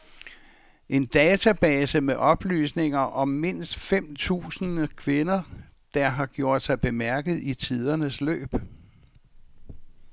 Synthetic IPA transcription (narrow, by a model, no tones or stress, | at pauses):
ʔe̝nd̥ɛːt͡sʰæb̥ɛːsəmeʔɒ̽b̥ly̰ːsne̝ŋɐʔɒ̽mːe̝n̰sd̥fem̰t͡sʰṵːsn̩kʰʋe̝nɐd̥ɑ̈ɦɑ̈ɡ̥jo̝ɐ̰d̥sɑ̈ɪb̥e̝mæɐɡ̥ð̞̩ˠit͡sʰið̞ˠɐnəslø̰ːb̥